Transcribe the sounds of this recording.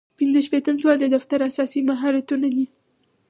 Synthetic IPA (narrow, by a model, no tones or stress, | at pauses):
pɪnzəʃpet̪əmswald̪əd̪aft̪aɾasɑsimaɦɑɾat̪unad̪i